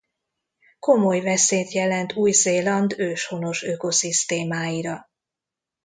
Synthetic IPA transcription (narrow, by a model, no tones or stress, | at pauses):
ko̞mo̞jvɛseːt̪jɛlɛnt̪ʰuːjzeːlɒnd̪øːʃhono̞ʃøko̞sist̪eːmaːjiɾɒ